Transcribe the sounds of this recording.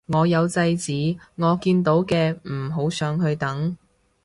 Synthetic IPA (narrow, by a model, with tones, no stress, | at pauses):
ŋɔː˨˧jɐ˨˧wt͡sɐ˧jt͡siː˨˥ŋɔː˨˧kiː˧nt̪o˨˥wkɛː˧m̩˨˩ɦo˨˥wsœː˨˧ŋɦɵ˧ɥt̪ɐ˨˥ŋ